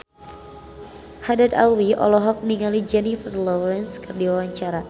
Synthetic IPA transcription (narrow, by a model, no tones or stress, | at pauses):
hadada̰wiɔ̰lɔɦɔk̚niŋalid͡ʒɛnifərlɔɾɛnskərdiwawaɲt͡ʃaɾa